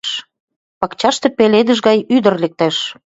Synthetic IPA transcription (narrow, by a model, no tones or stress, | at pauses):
ʃ | pɑkt͡ɕɑʃt̪ĕpeled̪əʒɣɑjyd̪ə̆rlek̚t̪æʃ